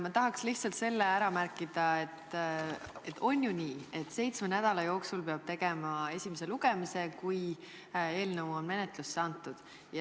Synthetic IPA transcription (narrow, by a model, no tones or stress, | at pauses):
mɑt̪ɑɦɑksliht̪sɑlt̪se̞lːeæɾɑmærkˑid̪̥ɑe̞t̪ː | e̞t̪ːo̞nʲjuniːe̞t̪ːˑse̞jt̪smenæd̪̥ɑlɑjo̞ːksulpe̞ɑb̥̚t̪e̞ɡ̥e̞mɑe̞sʲimese̞luɡ̥e̞mise̞kuj | e̞ːlnəwonme̞net̪lusːɑnt̪ːˑud̪̥ | jɑ